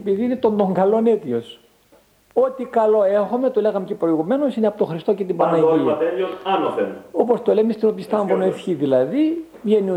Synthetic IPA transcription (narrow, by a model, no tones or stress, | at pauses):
piðiine̞t̪o̞nd̪oŋɡɐlo̞ne̞t̪io̞s | o̞t̪ikɐlo̞exomet̪oleɣɐmecepɾo̞iɣume̞no̞sineɐpot̪o̞xɾist̪ocet̪ibɐnɐiɐt̪elonɐnɐfeno̞po̞st̪olemest̪ino̞pist̪ɐɱvonoesçiðilɐði | vʝenio